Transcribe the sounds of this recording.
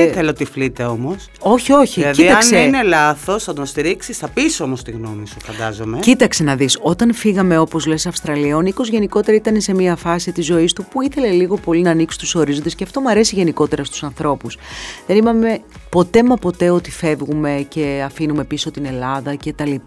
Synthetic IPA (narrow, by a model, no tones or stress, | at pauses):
θeleot̪iflit̪e̞omo̞s | o̞çio̞çilɐcðiiɐksneinelɐθo̞snɐd̪onst̪iɾiksisθɐpisomost̪iɣno̞misufɐnd̪ɐzomecit̪ɐkse̞nɐðiso̞t̪ɐnfiɣɐme̞o̞po̞zle̞sɐfst̪ɾɐlio̞niko̞zʝe̞niko̞t̪e̞ɾɐit̪ɐnese̞miɐfɐsit̪izo̞ist̪upuiθe̞le̞liɣo̞po̞linɐːniksu̥t̪u̥so̞ɾizond̪esceɐft̪o̞muɐɾe̞siʝe̞niko̞t̪e̞ɾɐst̪u̥sɐnθɾo̞pusðe̞nimɐme̞po̞t̪e̞mɐpo̞t̪e̞o̞t̪i̥fe̞vɣume̞ce̞ɐfinume̞piso̞t̪ine̞lɐðɐce̞t̪ɐli